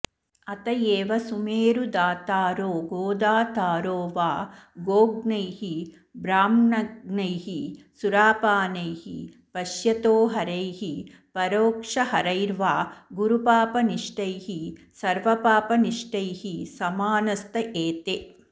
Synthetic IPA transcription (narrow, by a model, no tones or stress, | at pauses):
ɐt̪ɐjeːʋɐsumeːɾud̪aːt̪aːɾoːɡoːd̪aːt̪aːɾoːʋaːɡoːɡnɐjhi | bɾaːmnɐnɐjɦi | suɾaːpaːnɐjhḭ | pɐʃjɐt̪oːɦɐɾɐjɦi | pɐɾoːkʂɐhɐɾɐjɾʋaːɡuɾupaːpɐniʂʈɐjhi | sɐɾʋɐpaːpɐniʂʈɐjhisɐmaːnɐst̪ɐʔeːt̪e